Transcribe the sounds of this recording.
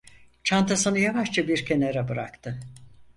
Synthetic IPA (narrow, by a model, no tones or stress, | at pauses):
t͡ʃʰant̪ʰasɯnɯjavaʃt͡ʃabiɾcʲʰe̞neɾɛbɯɾa̰kt̪ʰɯ